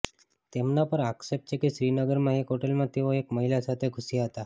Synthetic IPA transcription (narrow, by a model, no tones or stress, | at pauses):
t̪emnapəɾaksep̚ʈt͡ʃekiʃɾinəɡəɾmãekɦoʈelmãt̪eʋoekməɦilasat̪ʰekʰusijaɦət̪a